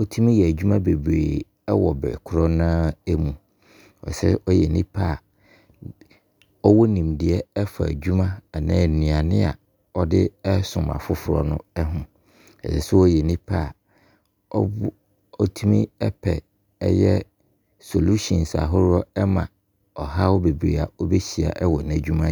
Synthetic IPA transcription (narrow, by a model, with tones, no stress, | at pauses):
ɔ˦tʰu˦mĩ˦jɛ˨æ˨d͡ʑᶣu˦mã˦be˨bɾḛː˨ | ɛ˦wɔ˨bɾɛ̰˨kʰʊ˦ɾɔ˦nãː˦ɛ˦mũ˨ | ɔ̰˨sɛ˦ʔɔ˦jɛ˨nĩ˦pʰa˦˨ | ɔ˦wɔ˦nĩ˨mdɪ˦ɛ˦ɛ˦fa˨æ̰˨d͡ʑᶣu˦mã˦a˨nãː˦˨nĩ˨a˨nɪ̃˦a˨ | ɔ˦dɪ˦ɛ˦sʊ̃˨ma̰˨fʊ˦fʊ˦ɾɔ̰˦nʊ̰̃˦ɛ˦ɦʊ̃˨ | ɛ̰˨sɛ˨sʊ˦ɔ˦jɛ˨nĩ˦pʰa˦˨ | ɔ̰˦ | ɔ˦tʰũ˦mḭ̃˦ɛ˦pʰɛ˨ | ɛ˦jɛ˦ | so˨lu˦ɕɔ̃˨nsa̰˨ɦʊ˦ɾɔ˦ɛ˦mã̰˨ | ɔ˨ɦa˦wɔ˦be˨bɾi˨a˨ɔ˦be˦ɕi˨a̰˨ʔɛ˦wɔ˨næ˨d͡ʑᶣu˦mã˦